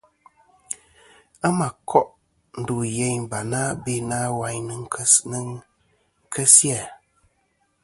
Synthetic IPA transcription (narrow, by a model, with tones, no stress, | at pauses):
a˦ma˨kʰɔ˦ʔ | n̩˨du˨jɛ˨ɲba˨na˦be˦naː˦wa˨ɲnɨ˨ŋ˦n˦ | kʰə˦sja˦˨